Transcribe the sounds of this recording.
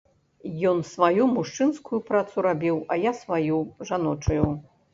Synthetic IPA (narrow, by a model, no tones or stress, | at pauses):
jɔnsvajumuʂt͡ʂɨnskujupɾat̪suɾabʲiwɐjasvajuʐanɔt͡ʂɐju